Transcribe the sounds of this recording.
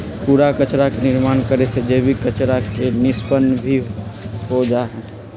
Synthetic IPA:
puːɾakət͡ʃɾakenɪɾmaːnkəɾesed͡ʒeːbʱikət͡ʃɾakenɪspənbʱiɦod͡ʒaɦɛ̃ː

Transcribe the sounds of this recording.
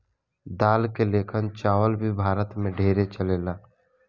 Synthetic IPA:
d̪aːlkeleːkʰənt͡ʃaːʋəlbʱibʱaːɾət̪mẽɖʱeːɾet͡ʃəleːlaː

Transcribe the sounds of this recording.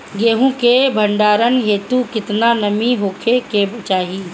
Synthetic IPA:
ɡeːɦũkebʱəɳɖaːɾənɦeːt̪ukɪt̪nanɐmiɦoːkʰekebt͡ʃaːɦiː

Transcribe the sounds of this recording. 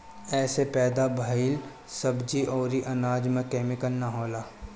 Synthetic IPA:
ɛːsepɛːd̪abʱəɪl | sɐbd͡ʒiʔɔːɾiʔɐnaːd͡ʒmẽkeːmɪkəlnaɦoːlaː

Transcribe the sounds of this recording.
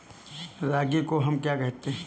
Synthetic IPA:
ɾaːɡikoɦɐmkjakɐɦt̪eɦɛ̃

